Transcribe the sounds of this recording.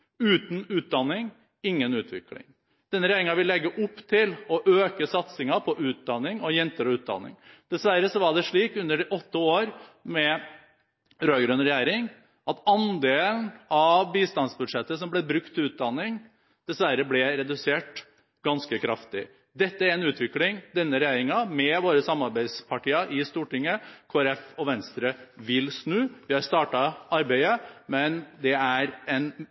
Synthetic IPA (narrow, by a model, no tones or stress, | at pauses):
ʉːt̪nʉːt̪̚d̪ɑnːɪŋ | ɪŋːənʉːt̪ʰʋɪ̰klɪ̰ŋ | d̪̥ɛnːəɾjæːɾɪŋɑʋɪlːɛɡːəʔʊpːt̪ʰɪlɔʔøːkəsɑt̪sɪŋɑpʰɔʔʉːt̪̚d̪ɑnːɪŋɔjɛnt̪əɾɔʉːt̪̚d̪ɑ̰nːɪ̰ŋd̪̥ɛsʋæɾːəsɔʋɑɖɛʂɭiːkʉnd̪əɖɛʔɔt̪ːəoːɾmɛ | ɾœʏɡɾønɾɛjæːɾɪŋ | ɑt̪ɑnd̪eːln̩ɑʋbiːst̪ɑnsbʉd̪ʂɛt̪ːəsɔmblɛbɾʉk̚t̪ʰːɪlʉːt̪̚d̪ɑnːɪŋ | d̪̥ɛsʋæɾəblɛɾɛd̪ʉseːʈ | ɡ̥ɑnskəkʰɾɑft̪ɪ | d̪ɛt̪ːəæɾɛnʉːt̪ʰʋɪklɪŋd̪ɛnːəɾɛjæːɾɪŋɑmɛʋoːɾəsɑmɑɾbæɪspʰɑʈiːɑʔɪst̪uːʈɪŋːəkʰoːæɾɛfɔʋɛnst̪ɾəʋɪlsnʉːʋɪhɑɾst̪ɑːʈɑɑɾbæɪəmɛnd̪ɛæɾɛn